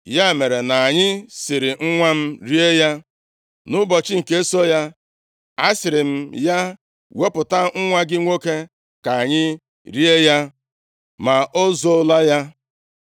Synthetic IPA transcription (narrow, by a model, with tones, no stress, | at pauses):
ja˦˨me˨ɾe˨na˨ɲɪ˦sɪ˨ɾɪ˨ŋ̩˦ŋʷa˦m̩˦ɾi˦e˦ja˦ | nʊ˦bɔ˨t͡ʃɪ˦ŋ̩˨ke˦e˦so˦ja˦ | a˦sɪ˨ɾɪ˨m̩˦ja˦ | we˦pʊ˨ta˦ŋ̩˦ŋʷa˦ɡɪ˦ŋʷo˦ke˦ | ka˨ɲɪ˦ | ɾi˦e˦ja˦ | ma˨ʔo˦zo˦la˦ja˦